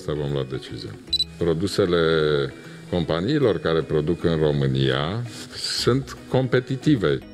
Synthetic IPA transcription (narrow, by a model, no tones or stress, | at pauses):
st̪avo̞mload̪e̞t͡ʃizija̰pɾo̞d̪use̞le̞ | ko̞mpaniːlo̞rkaɾe̞pɾo̞d̪ukɨnro̞mɨnija̰ | sunt̪ko̞mpe̞t̪it̪ive̞